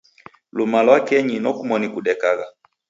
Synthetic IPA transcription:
lumalwakɛɲinɔkumɔnikuɗɛkaɣa

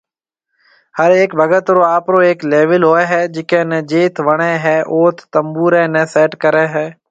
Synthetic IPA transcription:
həɾeːkbʱəɡət̪ɾoːaːpɾoːeːkleːʋəlɦoːɛːɦɛːd͡ʒɪkẽːnɛːd͡ʒeːt̪ʰʋəɳ̃eːɦɛːʔoːt̪ʰt̪əmbuːɾɛ̃ːnɛːsɛːʈkəɾɛːɦɛː

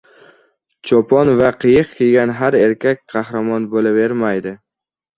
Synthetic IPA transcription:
t͡ʃʰɒpʰɒnvaqʰɨjɨqkʲeɡʲanɦaɾe̞ɾkʲakʲqʰɑhɾamɒnbolave̞ɾmajd̪ɪ

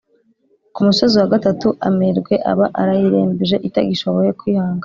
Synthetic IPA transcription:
kumuso̞ziwaɡatatuʔa̰meɾɡwe̞ʔa̰βaʔaɾajiɾeːmbiʒe̞ʔitaɡiʃoβojekwihaːŋɡa

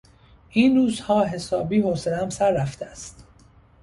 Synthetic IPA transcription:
ʔiːnruːzhɒːɦe̞sɒːbiːɦoːselæmsæɾːæft̪ʰeæst̪

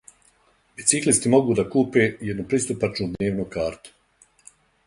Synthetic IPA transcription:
bit̪siklist̪imo̞ɡuːd̪akuːpeːjɛd̪nupɾist̪upat͡ʃnud̪nne̞ːʋnokaːɾt̪u̥

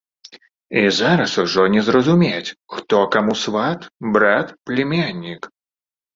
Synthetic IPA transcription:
izaɾɐsuʐɔnʲɛzɾɐzumʲet͡sʲxt̪ɔkamusvat̪bɾat̪plʲɪmʲanʲːik

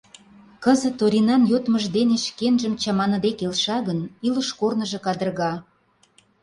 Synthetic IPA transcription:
kəzə̆t̪oɾʲinɑnjot̪məʒd̪eneʃkenʒə̆mt͡ɕɑmɑnɤ̆d̪ekelʃɑɣənilə̆ʃkornə̆ʒɤ̆kɑd̪ə̆rɣɑ

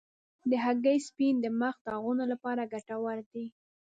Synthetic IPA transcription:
d̪əɦaɡəjspind̪əməxd̪əaɣunolapɑɾaɡaʈawaɾd̪i

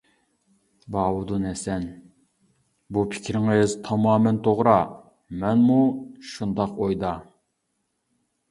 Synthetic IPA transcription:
bɑːwud̪unɛsɛn | bupʰɪ̥kʲʰɾɪŋɪzt̪ʰɑmɑːmɛnt̪ʰoʁɾɑ | mɛnmuʃund̪ɑqojd̪ɑ

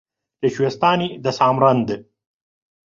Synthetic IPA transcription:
t̪eɕwest̪aːnid̪ɐsaːmɾɐnd̪

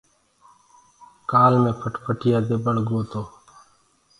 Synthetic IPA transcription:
kaːlmẽːpʰəʈpʰəʈʰɪjaːd̪eːbəɽɡoːt̪oː

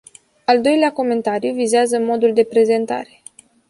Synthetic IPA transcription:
ald̪o̞jleako̞me̞nt̪aɾijvizeazəmo̞d̪uld̪e̞pɾe̞ze̞nt̪a̰ɾe̞̥

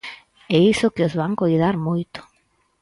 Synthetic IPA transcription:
ɛisʊkɪozβaŋkojðaɾmojt̪ʊ̥

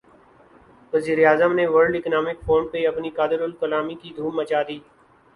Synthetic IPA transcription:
ʋəziːɾeaːzəmneʋəɾɖɪknaːmɪkfʰoːɳpeɐpnikaːd̪ɪɾʊlkəlaːmikid̪ʱuːmːət͡ʃaːd̪iː

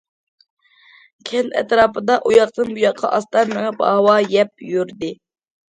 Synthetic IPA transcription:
kʲʰɛlɛ̰t̪ɾɑːpɨd̪ɑʔujɑqt̪ɨnbujɑqʰːɑ̰ʔɑst̪ɑɾmɛŋɛpɑ̰wɑjɛp̚jyɾd̪ɪ

